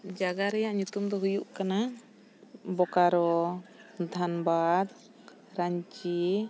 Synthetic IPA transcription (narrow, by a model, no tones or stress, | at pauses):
d͡ʒaɡaɾɛjaʔɲut̪umd̪ɔɦujuʔkana | bɔkaɾɔ | d̪ʱanbad̪ | ɾaɲt͡ʃi